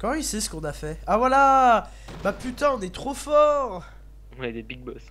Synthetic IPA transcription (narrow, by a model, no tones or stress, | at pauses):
kɑ̃isɛsə̥kɔ̃nafɛavwala | bapyt̪ãɔ̃nɛt̪χofɔʁ | wɛd̪ebiɡ̚bɔs